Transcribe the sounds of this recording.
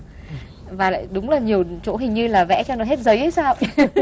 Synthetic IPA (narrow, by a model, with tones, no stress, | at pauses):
vaː˨˩la̰ː˧˨jɗʊ˨˦ŋ͡mlaː˨˩ɲi˨˩əwt͡ɕo̰˧˩˦ɦï˨˩ŋ̟ɲɨ˧laː˨˩vɛ̰˧˥t͡ɕɔ˧nɔ˨˦jɦe˦˥t̚zə˨˦jʔə˨˦jsaː˧w